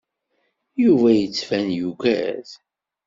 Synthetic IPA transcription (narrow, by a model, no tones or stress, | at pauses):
juvæjət͡sːfænjuɡæ̰z